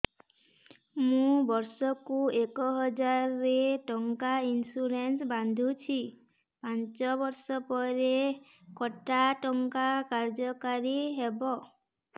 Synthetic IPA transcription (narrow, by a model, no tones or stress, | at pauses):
mũbɔɾsɔkuekɔɦɔd͡ʒaɾːeʈɔŋkainsuɾensband̪ʱut͡ʃʰi | pant͡ʃɔbɔɾsɔpɔɾe | kɔʈaʈɔŋkakaɾd͡ʒɔkaɾiɦebɔ